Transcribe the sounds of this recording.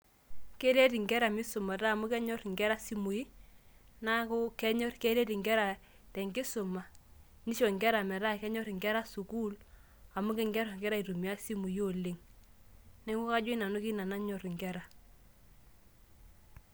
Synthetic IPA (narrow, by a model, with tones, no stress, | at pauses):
ke˦ɾe˦ti˨ŋɡɛ˦ɾa˨mɪ˦sʊ˨ma˨ta˦˨mʊ˦kɛ˦ɲɔ˦ɾŋɡɛ˦ɾa˦si˦mu˨i˦ | na˦kʊ˦kɛ˦ɲɔ˦rke˦ɾe˦ti˨ŋɡɛ˦ɾa˨ | tɛ˨ŋɡɪ˦sʊ˨ma˨ | ni˦ʃɔ˨ŋɡɛ˦ɾa˨mɛ˨ɾa˦kɛ˦ɲɔ˦ɾɪ˨ŋɡɛ˦ɾa˦su˨ku˦l | a˨mʊ˦kɪ˦ŋɡɛ˦ɾɔ˨ŋɡɛ˦ɾa˦i˨ɾu˨m˨a˦si˦mu˨jo˦˨lɪ˦ŋ | nɛ˦ŋɡu˦ka˦d͡ʒi˦na˨nʊ˦ki˦na˨na˦ɲɔ˨ɾɪ˨ŋɡɛ˦ɾa˨